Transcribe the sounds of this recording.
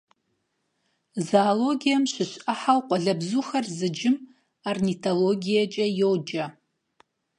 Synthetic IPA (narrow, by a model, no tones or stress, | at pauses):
zaːloɡijamʃʷɪʃʷaħawqʷʼɔɮɐbzuxɐrzɨd͡ʒɪm | arnitʰoloɡʲijat͡ʃʼɐjowd͡ʒɐ